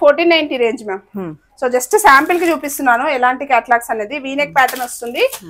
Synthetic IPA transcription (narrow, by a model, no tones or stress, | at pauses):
pʰoːɾʈiːnɐjnʈiɾe̞ːɲd͡ʒmeːm | soːd͡ʒɐsʈsaːmpilkit͡ʃuːpist̪unːaːnuɛlaːɳʈikaːʈlaːksɐne̞ːd̪iʋiːnek̚paːʈɐnost̪und̪i